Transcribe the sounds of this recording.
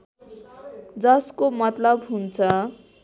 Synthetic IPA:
d͡zʌskomʌt̪lʌbɦunt͡sʰʌ

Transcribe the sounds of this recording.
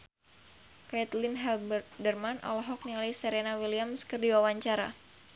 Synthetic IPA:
kajɛt̪linɦɛlbrt̪̚dərmanʔɔ̰lɔɦɔk̚nilajsɛɾenawiliamskɨrdiwawaɲt͡ʃaɾa̰

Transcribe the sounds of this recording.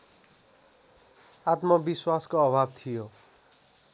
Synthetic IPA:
at̪mʌbiswaskoʌbʱab̚t̪ʰijo

